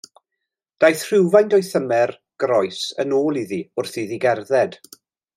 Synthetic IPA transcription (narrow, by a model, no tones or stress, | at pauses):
d̥ajθr̥ɪwvajndɔjθəmɛr | ɡ̥rɔjsə̰noːlˠiðiʊrθiðiɡɛrðɛd̥